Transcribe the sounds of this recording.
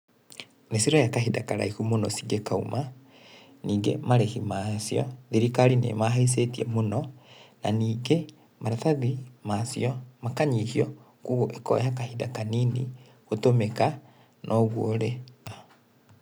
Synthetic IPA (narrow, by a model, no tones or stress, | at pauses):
nesiɾɔjakaɦidakaɾaikumonɔsiɡekaṵma | niːɡḛmaɾɛɣimasjɔðiɾikaɾinḛmaɦais̬etiɛmonɔnaniːɡe | maɾataðimasḭɔmakaɲihiɔ | kuɣoʔekɔ̰jakahidakanini | ɣotomeka | nʔɔɣwoɾe